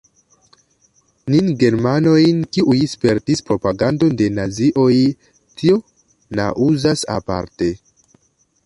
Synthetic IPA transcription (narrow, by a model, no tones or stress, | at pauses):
ninɡe̞ɾmano̞jnkiʔujspe̞ɾtispɾo̞paɡando̞nde̞naziʔo̞j | tʰio̞ | na̰ʔuzasa̰pa̰ɾte̞